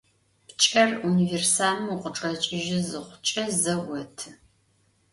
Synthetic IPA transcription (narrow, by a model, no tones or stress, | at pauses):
pt͡ʃʼɐruniversaːnɨmuqəʈ͡ʂʼɐt͡ʃʼɪʒɪzɨχʷʊt͡ʃʼɐzɐwɐtʰɨ